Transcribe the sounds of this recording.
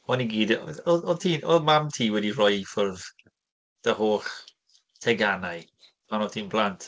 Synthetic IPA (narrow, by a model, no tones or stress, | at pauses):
ɔniɡiːdɔɔtʰiːnʔɔmamtʰiːwɛdirɔjfɔrð | d̥əhoːχ | tʰɛɡanaj | manɔtʰiːnblˠantʰ